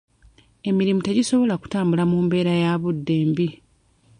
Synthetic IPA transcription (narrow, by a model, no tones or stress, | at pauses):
e̞miɾimute̞ɟiso̞βo̞laku̥taːmbulamuːmbe̞ːɾajaβudːe̞ːmbi